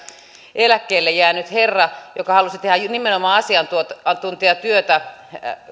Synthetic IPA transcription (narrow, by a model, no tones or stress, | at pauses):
ʔelækːˑeːlːejjæːnyt̪herːɑjokɑhɑlusit̪ehæjnimenomɑːɑsiɑnt̪uot̪ɑt̪unt̪iɑt̪yøt̪æ